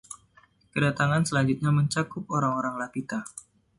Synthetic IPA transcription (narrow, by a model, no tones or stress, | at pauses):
kədat̪aŋansəlaɲd͡ʒut̪̚ɲaməɲt͡ʃakʊp̚oɾaŋoɾaŋlakit̪a